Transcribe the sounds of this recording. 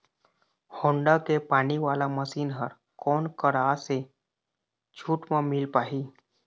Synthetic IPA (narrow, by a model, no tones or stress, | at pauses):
hõːɳɖakepaːniʋaːlaməsiːnɦəɾ | kɔːnkəɾaːse | d͡ʒʰʱuːʈmãmɪlpaːɦiː